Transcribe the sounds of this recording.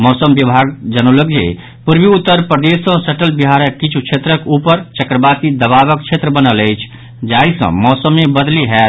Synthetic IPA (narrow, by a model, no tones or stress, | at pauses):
mɔsəmbjəbʱaɡd͡ʒənələk̚d͡ʒḛ | puɾbiut̪ːəɾpɾəd̪esə̃səʈəlbiɦaɾəkkːit͡ʃʰut͡ʃʰet̪ɾəkupəɾt͡ʃəkɾəbasid̪əβabək̚t͡ʃʰet̪ɾəbənələjt͡ʃʰ | d͡ʒaisə̰̃mɔsəmːebəd̪liɦɛ